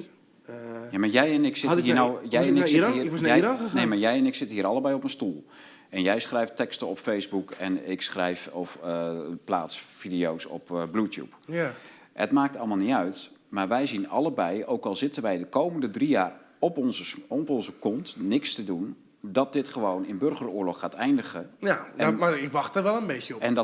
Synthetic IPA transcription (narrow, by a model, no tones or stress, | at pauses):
jamaɹjɛjɛnɪksɪinowjɛjɛnɪiɛneːmajɛjɛnɪksɪtəhiəɾɑlˠəbɛjɔpənstulˠ | ɛnjɛjsχrɛjftɛkstəɔpfejzbukɛ̰nɪksχrɛjfɔfəpla̰ːtsfidiowsɔ̰pblutjṵp | hətmaːk̚tɑlˠmalˠniœɥtmarʋɛjzinɑ̰lˠəbɛjowkɔlˠzɪtənʋɛjdəkowməndədrijaːrɔpzəɔpɔnzəkɔntnɪkstədun | dɔt̚dɪtχəʋownɪnbørɣərʊːlɔxːaːtɛjndəɣəaaɪkʋɑxtəɹʋɛlˠənbejəɔɛndɔ